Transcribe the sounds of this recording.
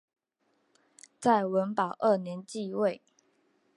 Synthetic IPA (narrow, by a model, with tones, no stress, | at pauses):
t͡sa˥˨ɪwə˧˦npɑ˨˩ʊʔə˥˨˩njɛ˧˦nt͡ɕi˥˧we˥˨ɪ